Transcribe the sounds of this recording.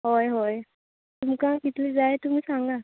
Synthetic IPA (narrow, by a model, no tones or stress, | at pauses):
ɦojɦoj | t̪umkãkit̪led͡zajt̪um̤iːsaŋɡa